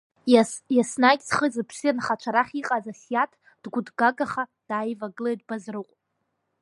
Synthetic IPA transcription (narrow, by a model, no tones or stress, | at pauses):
jasnakʲʼsχəzɨpʰsijanχat͡ʃʷʰaɾaχʲiqʼazasjatʰ | d̥ɡʷʊdɡaɡaχad̥aːjvaɡɨlejdbazrɨqʷʼ